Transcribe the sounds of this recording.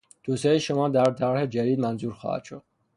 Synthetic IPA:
d̪̥osɑːjiʃomɒːd̪æɾt̪ʰæɾɾhed͡ʒæd̪iːd̪̚mænzuːɾxɒ̰hæ̰t̪ʃod̪̥̚

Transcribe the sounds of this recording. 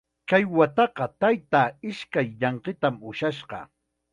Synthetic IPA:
kajwat̪ɑqɑt̪ajt̪aɪʃkajʎɑɴqɪt̪amʊʃaʃɢɑ̰

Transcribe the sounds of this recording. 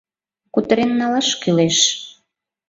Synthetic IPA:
kut̪əɾenːɑlɑʃkyleʃ

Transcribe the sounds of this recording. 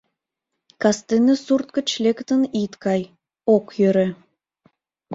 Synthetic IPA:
kɑst̪enəsurt̪̚kə̆t͡ɕlekt̪ə̆nit̪kɑj | okjøɾĕ

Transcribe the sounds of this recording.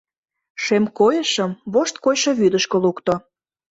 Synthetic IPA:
ʃemkojəʃəmβoʃt̪̚kojʃoβyd̪əʃkəlukt̪o

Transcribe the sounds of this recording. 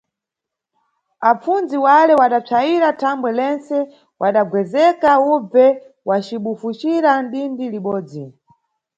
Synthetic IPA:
ap͡funziwalɛwaɗap͡ʂʰajiɾatʰambwɛlɛnt͡sɛ | wʔaɗaɡwɛzɛkaub͡vɛ | wat͡ʃiɓufut͡ʃiɾanɗindiliɓɔːd͡zi

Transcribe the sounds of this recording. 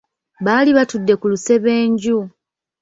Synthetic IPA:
βaːliβatudːe̞kuluse̞βe̞ːɲɟu

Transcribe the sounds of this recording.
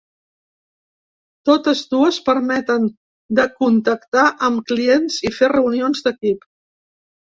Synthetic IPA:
t̪ot̪əzd̪uəspəɾmɛt̪ən | d̪əkunt̪əkt̪aʔəmklienziferəunionzd̪əkip

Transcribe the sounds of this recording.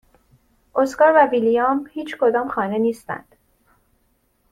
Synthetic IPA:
ʔoskɒːɾvævilijɑmhiːt͡ʃʰkʰo̞d̪ɒːmxɒːne̞niːst̪æ̰nd̪̥

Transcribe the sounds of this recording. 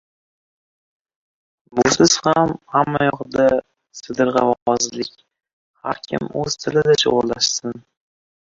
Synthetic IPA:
bʊsɪz̥hamhamːajɒʁd̪a | sɪd̪ɨɾʁɑvawɒzlɪkʲ | ha̰ɾkʲʰɪ̰mɵ̰z̥t̪ʰɪlɪd̪at͡ʃʰo̰ʁʊɾlaʃsɪn

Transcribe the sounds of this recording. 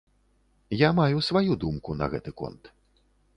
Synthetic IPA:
jamajusvajud̪umkunɐ̰ɣɛ̰t̪ɨkɔ̰nt̪

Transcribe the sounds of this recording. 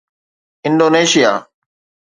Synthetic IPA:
ɪ̃nɖoːneːʃɪjaː

